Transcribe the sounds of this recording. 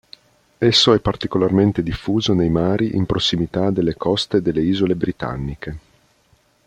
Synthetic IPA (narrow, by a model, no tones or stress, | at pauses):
esːoɛpːart̪ikolarment̪ed̪ifːuːzonejmaːɾiʔimpɾosːimit̪ad̪elːekɔst̪ed̪elːeiːzolebɾit̪a̰nːike